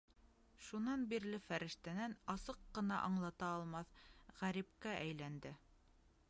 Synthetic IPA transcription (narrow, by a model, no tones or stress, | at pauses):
ʃunɑnbiɾlɘfæɾɘ̆ʃt̪ænænɑsɤqːɤ̆nɑʔɑɴlˠɑt̪ɑːlˠmɑθʁæɾip̚kæʔæjlænd̪ɘ